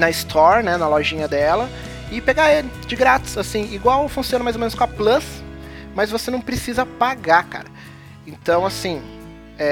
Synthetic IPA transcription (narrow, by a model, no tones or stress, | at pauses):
nɐɪst̪ʰɔɾnɛnɐlɔʒĩɲɐd̪ɛlɐ | ɪpeɡaelɪd͡ʒɪɡɾat͡ʃɪ̥sasĩiɡwawfũsiõnɐmajzomẽnʊskõɐplɐsmɐzvosenɐ̃w̃pɾesizɐpaɡaka̰ɾɐ | ẽnt̪ɐ̃w̃asĩ | ɛ